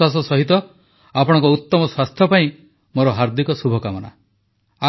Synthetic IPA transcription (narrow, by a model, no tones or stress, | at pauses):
was̬ɔsɔɦit̪ɔ | apɔɽ̃ɔ̃ŋkɔut̪ːɔmɔswast̪ʰjɔpaĩ | moɾɔɦaɾd̪ikɔsubʱɔkamɔna̰ | a